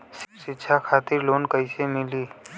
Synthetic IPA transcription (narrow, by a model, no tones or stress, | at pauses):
ʃʃɪtːʃʰakʰaːt̪ɪɾloːnkəɪsemɪliː